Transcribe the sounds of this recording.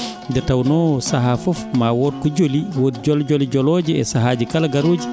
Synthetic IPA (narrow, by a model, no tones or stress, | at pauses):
dɛtawnɔsaɦafɔfmawɔɾkɔd͡ʒoliwodd͡ʒɔld͡ʒɔlid͡ʒɔlɔːd͡ʒiɛ̰saɦaːd͡ʒikalaɡaɾoːd͡ʒi